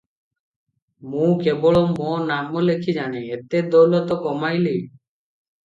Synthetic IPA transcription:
mũkebɔɭomonamolekʰid͡ʒaneet̪ed̪olɔt̪ɔkɔmajli

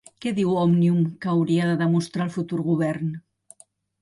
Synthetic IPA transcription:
keðiwɔmnjumkawɾiaðəðemust̪ɾalˠfut̪uɾɣuβɛɾn

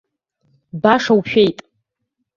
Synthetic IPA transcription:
baʂawʃᶣejtʼ

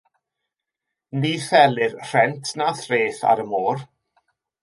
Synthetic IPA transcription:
niːfɛlɨrr̥ɛntʰnaθreːθa̰ɾəmoːr

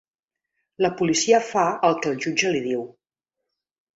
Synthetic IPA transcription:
ləpulisiəfaəlˠkəlˠʒud͡ʒəliðiw

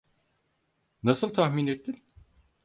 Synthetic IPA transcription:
nasɯlˠt̪ʰahmiːnet̪ːinʲ

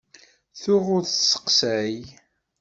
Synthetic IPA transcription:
θʊʁʊɾθsə̥qsæj

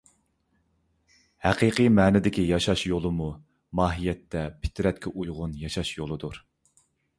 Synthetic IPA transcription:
hæqʰiqɨmɛːnɪd̪ɪkʲijɑʃɑʃjolˠɨmu | mɑːɦijɛt̪ʰːɛpʰɪ̥t̪ʰɾɛt̪̚kʲʰɛʔujʁʊnjɑʃɑʃjolˠɨd̪uɾ

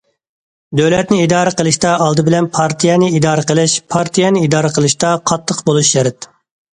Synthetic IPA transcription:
d̪øwlɛt̪̚nɪid̪ɑːɾəqəlˠɨʃt̪ɑɑlˠd̪ɨbɪlɛnpʰɑɾt̪ʰijɛnɪid̪ɑːɾəqəlˠɪʃpʰɑɾt̪ʰijɛnɪid̪ɑːɾəqʰəlˠɨʃt̪ɑqʰɑt̪ʰːəqbolˠuʃjɛɾɛt̪

